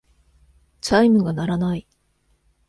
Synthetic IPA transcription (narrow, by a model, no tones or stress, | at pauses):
t͡ɕaimɯ̟ɡanaɾanai